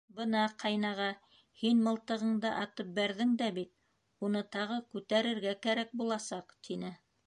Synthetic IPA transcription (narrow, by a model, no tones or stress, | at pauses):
bɤnɑqʰɑjnɑʁɑ | hinmɤ̆lˠt̪ɤ̆ʁɤ̆ɴd̪ɑʔɑt̪ɤp̚bæɾðɘŋd̪æbit̪̚ | unɤt̪ɑʁɤkʉt̪æɾɘ̆ɾɡækæɾæk̚bulˠɑsɑqt̪inɘ